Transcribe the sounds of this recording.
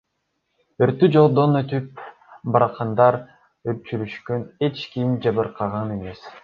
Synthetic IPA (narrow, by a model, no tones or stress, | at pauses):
øɾt̪ːyd͡ʒo̞lˠd̪o̞nøt̪yp̚ | bɑɾɑqʰɑnd̪ɑɾ | øp̚t͡ʃyɾyʃkøne̞t͡ʃkimd͡ʒɑβɯɾqʰɑʁɑne̞me̞s